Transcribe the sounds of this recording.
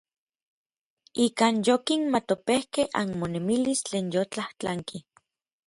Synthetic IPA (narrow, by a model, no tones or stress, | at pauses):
ikaːnjokinmat̪opehkehʔa̰nmonemilist͡ɬeːnjot͡ɬaht͡ɬaŋki